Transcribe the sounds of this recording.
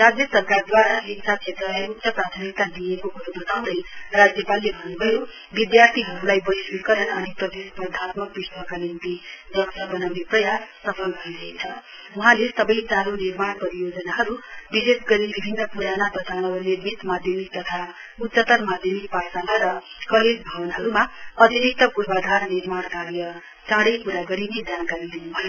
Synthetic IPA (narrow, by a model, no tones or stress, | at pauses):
ɾad͡zjʌsʌbkaɾd̪waɾaeksat̪̚t͡ʃʰet̪rʌlajut̪ːsʌpɾat̪ʰənikt̪ad̪ijekokuɾubʌt̪aw̃d̪ʌjrad͡zjʌpalːebʱʌnːubʱʌjo | bid̪jart̪ʰiɦʌɾulajbʌjswikʌɾʌnʌnipɾʌd̪espʌd̪ʱat̪mʌk̚biswakalimt̪iɡʌksʌbʌnaiprʌjassʌpʰʌlɡʱʌɾiɾʌɦit͡sʰʌ | wuɦãlesʌbʌjt͡salunirmaɽpʌɾijod͡zʌnaɦʌɾubisesɡʌɾibibʱinːʌpuɾanabʌt̪awnʌbʌnirmit̪mad̪ʱjʌmik̚t̪ʌt̪ʰa | ut̪sʌt̪ʌrmad̪ʱjʌmik̚pasanaɾʌ | kʌled͡zbʱʌbʌnɦʌɾumaʌd̪ʱiɾik̚t̪ʌpuɾbad̪ʱarniɾmaɽkaɾjʌ | t͡sãɽʌjkuɾaɡʌɾined̪ʱjankaɾid̪inubʱʌjo